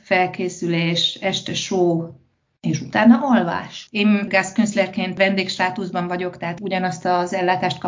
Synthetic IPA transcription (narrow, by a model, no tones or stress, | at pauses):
fɛlkeːsyleːʃɛʃt̪ɛʃoː | eːʃut̪aːnːɒʔolva̰ːʃeːnɡaːskønslɛrkeːnt̪ʋɛnd̪eːkʃt̪aːt̪uzbɒɱvɒɟo̞kt̪ɛɦaːt̪uɟɒnɒst̪ɒzɛlːaːt̪aːʃt̪̚kɒ